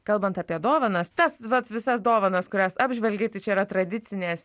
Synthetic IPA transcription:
kɐlˠbɐnt̪ɐpʲiɛd̪oːʋɐnɐst̪ɐsʋɐt̪ʋʲɪsɐsd̪oːʋɐnɐskʊɾʲæːsɑːbʲʒʲʋʲɛlʲɡʲeːt̪ɐɪt͡ʃʲɛiɾɐt̪ɾɐd̪ʲɪt͡s̪ʲɪnʲeːs

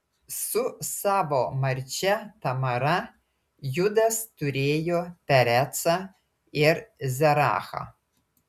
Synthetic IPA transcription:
susaːvomɐrʲt͡ʃɛt̪ɐmɐɾa | jud̪ɐst̪uɾʲeːjopʲæɾʲæt͡sa | ɪrzʲɛɾa̰ːxa̰

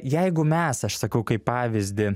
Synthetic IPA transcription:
jɛɪɡʊmʲɛsɐʃsɐkɐʊkɐɪppɑːʋʲɪzʲd̪ʲɪ

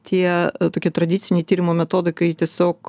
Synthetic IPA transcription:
t̪ʲʰiɛt̪oːkʲiɛt̪ɾɐd̪ʲit̪sʲɪnʲɛjt̪ʲiːɾʲɪmoːmʲɛt̪oːd̪ɐɪkɐɪt̪ʲiɛsʲoːk

